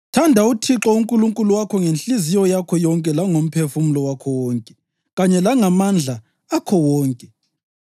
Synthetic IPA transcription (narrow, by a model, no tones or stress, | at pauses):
tʰandʱautʰiǁɔuŋkʼuluŋkʼuluwakʰɔŋenɬizijɔjakʰɔjɔŋkʼɛlaŋom̩pʰefumulɔwakʰɔwɔŋkʼɛ | ɣaɲɛlaŋamand͡ɮʱa | akʰɔwɔːŋkʼɛ